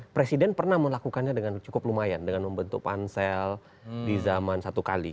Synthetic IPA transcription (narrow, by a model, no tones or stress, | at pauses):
pɾesidɛnpərnahməlakukanɲadəŋant͡ʃukʊplumajandəŋanməmbənt̪ʊk̚pa̰nsɛl | dizamansat̪ukalḭ